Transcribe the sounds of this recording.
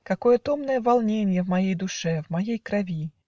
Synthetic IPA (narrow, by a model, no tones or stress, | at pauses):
kakɔjɛt̪ɔmnɐjɛvalˠnʲenʲjɛvmajejd̪uʂɛvmajejkɾavʲi